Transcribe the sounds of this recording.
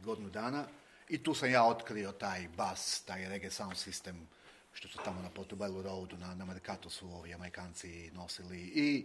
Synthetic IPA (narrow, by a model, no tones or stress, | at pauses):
ɡo̞d̪inud̪aːna | it̪uːsamjaːo̞t̪kɾio̞t̪aːjbast̪aːjɾeɡesawnd̪sist̪em | ʃt̪o̞sut̪amonapot̪ubeluɾowd̪unanameɾikat̪usuoːʋiame̞ɾikaːnt̪sino̞silii